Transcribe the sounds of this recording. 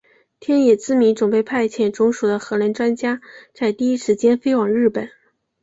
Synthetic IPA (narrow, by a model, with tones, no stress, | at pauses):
t̪ʰjɛ˥njɛ˨˩t͡sɹ̩˥mi˧˥nʈ͡ʂʊ˨˩ŋpe˥˧ɪpʰa˥˩ɪt͡ɕʰjɛ˥˩nʈ͡ʂʊ˧˥ŋʂu˨˩d̪ə˦xɤ˧˥la˧˥nʈ͡ʂwa˥nt͡ɕja˥t͡sa˥˧ɪt̪i˥˩i˥ʂɻ̩˧˥t͡ɕjɛ˥nfe˥ɪwɑ˨˩ŋɻɻ̩˥˩pə˨˩˦n